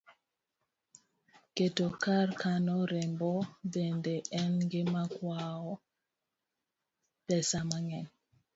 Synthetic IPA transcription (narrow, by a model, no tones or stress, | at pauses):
ketokaɾkanɔɾɛmbɔbɛndɛɛnŋɡemakwaɔ | pɛsamaŋɛn